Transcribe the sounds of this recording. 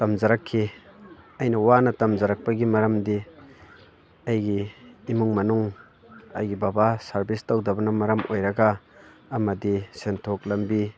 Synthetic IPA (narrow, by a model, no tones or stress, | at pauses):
tɐmzɐɾɐkʰːi | ɐjnɐwanɐtɐmzɐɾɐk̚pɐɡimɐɾɐmdi | ɐjɡiːmuŋmɐnuŋ | ɐ̰jɡibabasɐɾbistɐwdɐbɐnɐmɐɾɐmojɾɐɡaː | mɐdisentʰok̚lɐmbi